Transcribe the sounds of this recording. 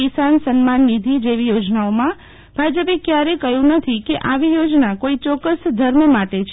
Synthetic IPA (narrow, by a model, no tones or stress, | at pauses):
isansənmanːid̪ʱid͡ʒeʋijod͡ʒnaomã | b̥ʱad͡ʒəpekjaɾekəjũnət̪ʰikeʔaʋijod͡ʒnakoit͡ʃɔkəsd̪ʱəɾmmaʈet͡ʃʰ